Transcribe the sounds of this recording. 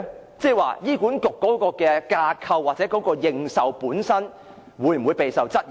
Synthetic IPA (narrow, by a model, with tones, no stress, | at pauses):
t͡sɛ˥˧wa̰ː˨˧jiː˥kuː˨˥nkʊ˨kːɔː˨˥kɔː˧kɛː˧kaː˧kʰɐ˧wːaː˨t̚t͡sɛː˨˥kɔː˨˥kɔː˧jɪ˧ŋsɐ˨wpuː˨˥nsɐ˥n | wuː˨˥jm̩˨˩wuː˨˧jpe˨jsɐ˨wt͡sɐ˥t̚